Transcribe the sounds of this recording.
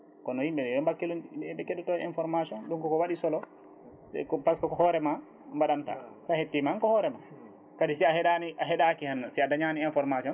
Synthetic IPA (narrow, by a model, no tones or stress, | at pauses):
kɔnɔhimɓɛɗɛjɔmbakːilonɛɓɛkɛɗɛtɔɛɛnfɔɾmasiɔnɗumkɔkɔwaɗisɔlɔ | sɛ̰kɔpaskɔkɔhɔɾɛma | mbaɗamta̰sahetːimaankɔhɔɾɛma | kadisɛahɛɗaniʔaɦɛɗakihanːasɛadaɲaniɛnfɔɾmasiɔn